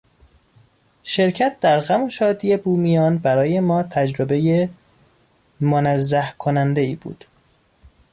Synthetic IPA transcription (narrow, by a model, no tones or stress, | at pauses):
ʃe̞ɾcʰæt̪̚d̪æɾɣæmoʃɒːd̪iːje̞buːmijɒːnbæɾɒːje̞mɒːt̪ʰæd͡ʒɾobe̞je | monæzːæhkʰonænd̪e̞ḭːbṵːd̪̥